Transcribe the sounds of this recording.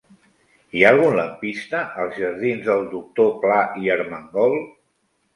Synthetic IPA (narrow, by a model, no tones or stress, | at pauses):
ialˠɣunləmpist̪əʔəlˠzʒəɾðinzðəlˠd̪uk̚t̪oplaʔiəɾməŋɡɔlˠ